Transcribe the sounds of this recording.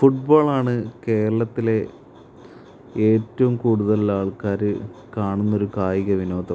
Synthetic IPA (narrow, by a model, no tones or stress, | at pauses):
fuʈ̚bo̞ːɭaːɳɨke̞ːɾɐɭɐt̪ːile̞ | eːtːɐʋumkuːɽuðɐlaːɭkaːɾɨkaːɳunːɐo̞ɾukaːjiɣɐʋino̞ːd̪ʱɐm